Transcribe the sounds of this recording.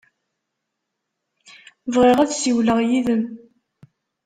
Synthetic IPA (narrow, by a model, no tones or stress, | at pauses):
vʁiʁæðsiwləʁjiðəm